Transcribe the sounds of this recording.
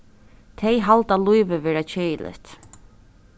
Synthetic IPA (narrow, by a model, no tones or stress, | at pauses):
t̪ʰɛjɦalt̪alujvəvɛːɾat͡ɕʰeːlʔɪ̰t̪